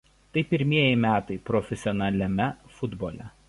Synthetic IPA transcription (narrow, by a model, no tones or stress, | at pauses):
t̪ɐɪpʲɪɾʲmʲiɛjɪmʲæːt̪ɐɪpɾɔfʲɛsʲɪɔnɐlʲɛmʲɛfʊd̪boːlʲɛ